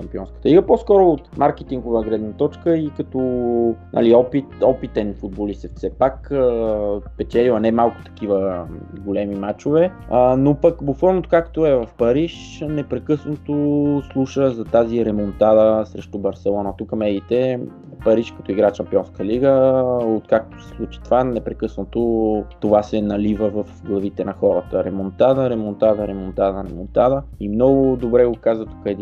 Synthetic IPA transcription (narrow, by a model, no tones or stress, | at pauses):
ʃɐmpiɔnskə̥t̪əliɡəpɔskɔɾoːt̪maɾkɛt̪iŋɡʊvəɡɾɛd̪nɐt̪ɔt͡ʃkəikɐt̪ɔnʔə̰liɔpit̪ɔpit̪ɛnfud̪̚bolisɛfsɛpak | spɛt͡ʃɛlilˠɐnɛmalˠkʊ̥t̪ɐ̥k̟ivəɡolɛmimat͡ʃovɛənopɐkbokvɔlˠnot̪o̥kakt̪oɛvɐfpɐɾiʃ | nɛpɾɛkɤsnot̪oslˠuʃəzɐt̪aziɾɛmont̪ad̪əsɾɛʃt̪ubɐɾsɛlˠɔnət̪ukəmɛɡit̪ɛ | pɐɾiʃkɐt̪ɔiɡɾaʃɐmpiɔnskəliɡəot̪̚kak̚t̪o̥sɛ̥slˠut͡ʃi̥t̪ovanɛpɾɛkɤsnot̪ot̪ovasɛnɐlivəvɐfɡlˠɐvit̪ɛnɐxɔɾət̪əɾɛmont̪ad̪əɾɛmont̪ad̪əɾɛmont̪ad̪əɾɛmont̪ad̪əimnɔɡʊd̪obɾɛɡokazvət̪ukɛd̪i